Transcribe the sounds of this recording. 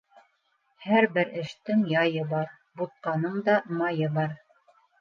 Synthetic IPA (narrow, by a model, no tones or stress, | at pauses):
hæɾbɘɾɘ̆ʃt̪ɘŋjɑjɤbɑɾ | but̪̚qɑnɤɴd̪ɑmɑjɤbɑɾ